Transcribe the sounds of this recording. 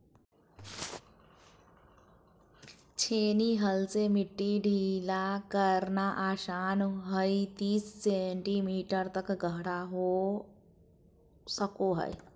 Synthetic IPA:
t͡ɕʰeniɦəlt͡semiʈːiɖʱilakəɾnaʔaɕanɦəjt̪iːsːeɳʈimiːʈəɾt̪əkɡʱəɦɽaɦo | səkoɦə̰j

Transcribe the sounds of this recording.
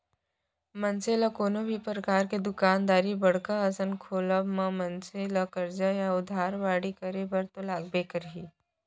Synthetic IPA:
mɐnseːlakoːnobʱipɾəkaːɾked̪ʊkaːnd̪aːɾibɐɽ̤kaɐsənkʰoːləbmɐ̃mɐnselakɐɾd͡ʒajaʊd̪ʱaːɾʋaːɽikəɾebɐɾt̪olaːɡ̚beːkəɾɦiː

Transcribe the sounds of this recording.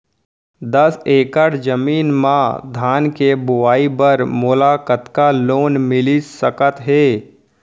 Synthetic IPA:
d̪əseːkəʈd͡ʒəmiːnmãd̪ʱaːnkebʊʋaːibəɾmʊːlakət̪kaloːnmɪlisəkət̪ɦeː

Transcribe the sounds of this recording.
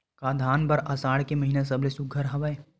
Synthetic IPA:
kaːd̪ʱaːnpɐɾɐsaːɽkemɐɦiːnas̬ɐblesʊɡʱəɾɦɐʋaːe

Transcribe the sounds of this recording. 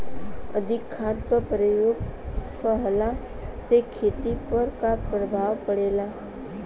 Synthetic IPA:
ə̰d̪ʱɪkʰːãːnt̪kapɾəjoːɡkaɦəla | sekʰːeːt̪ipəɾkapɾəbʱaːʋpəɽeːla

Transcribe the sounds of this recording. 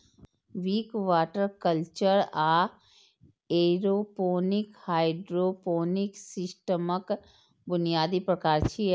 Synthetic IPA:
ʋiːkʋaːʈəɾkəlt͡ʃəɾaː | eɾopoːnɪkhaːɪɖɾoːpoːnɪksɪsʈəmək | bʊnijaːd̪ipɾəkaːɾt͡ʃʰi

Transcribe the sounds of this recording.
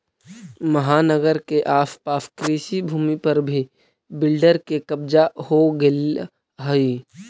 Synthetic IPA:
məɦaːnəɡəɾkeʔaːfpaːfkɾiːʃibʱuːmipəɾbʱi | bɪlɖəɾkekəbd͡ʒahoɡɪl | ɦəi

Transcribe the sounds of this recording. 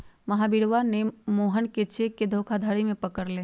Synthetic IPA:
məɦabiɽʋanemoːɦənket͡ʃeːkkːed̪ʱoːkʰad̪ʱaɽimẽpəkəɾleː

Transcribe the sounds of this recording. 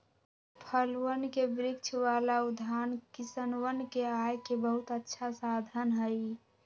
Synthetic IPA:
pʰəlwənkebɾɪkt͡ʃʰwalaud̪ʱankisənwənkeajkebəɦut̪ətːʃʰasad̪ʱənɦəj

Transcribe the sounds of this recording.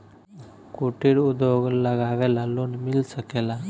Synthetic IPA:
koʈʰiɽud̪joɡləɡaʋɛlalonmilsəkela

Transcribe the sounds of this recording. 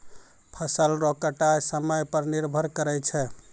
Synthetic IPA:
pʰəsəlɾokəʈajsəməjpəɾniɾbʱəɾkəɾɛt͡ʃʰɛ

